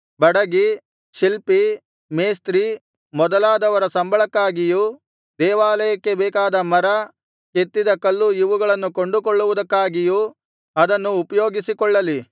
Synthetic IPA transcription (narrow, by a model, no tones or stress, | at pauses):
bɐɽɐɡi | ʃilpi | meːst̪ɾi | mɔd̪ɐlaːd̪ɐʋɐɾɐsɐmbʱɐɭɐkːaːɡijuː | d̪ɛːʋaːlɐjɐkːe̞bɛːkaːd̪ɐmɐɾɐ | ket̪ːid̪ɐkɐlːujiʋuɡɐɭɐnːukoɳɖukɔɭːuʋud̪ɐkːaːɡiju | ɐd̪ɐnːuːpɐjo̞ːɡisikɔɭːɐli